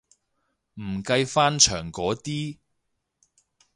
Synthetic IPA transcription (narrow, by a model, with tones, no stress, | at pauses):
m̩˨˩kɐ˧jfaː˥nt͡ʃʰœː˨˩ŋkɔː˨˥t̪iː˥